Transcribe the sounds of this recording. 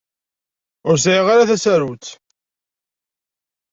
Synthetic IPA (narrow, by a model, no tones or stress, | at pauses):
ʊɾs̬ʕiʁaɾaθæsæɾut͡s